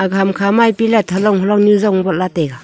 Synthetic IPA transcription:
aɡʱamkʰamajpilatʰalɔŋɦɔlɔŋnuzɔŋbɔlateɡa

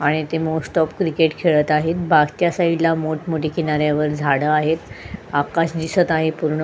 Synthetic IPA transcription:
aɽ̃it̪emosʈɔpkɾikeʈkʰeɭət̪aɦet̪̚bʱaɡt̪jasailamoʈʰmoʈikiñaɾjaʋəɾd͡zʱaɽəaɦet̪akaɕd̪isət̪aɦipuɾɳə

